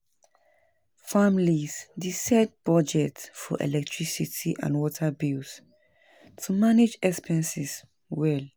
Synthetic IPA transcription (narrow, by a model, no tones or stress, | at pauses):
famlisdisɛd̚b̥ɹɔd͡ʒɛtfɔ̰ʔɛ̰lɛk̚tʰɹisitʰiʔã̰nwɔtʰabils | tʰumaned͡ʒɛkspʰɛ̃nsis | wɛl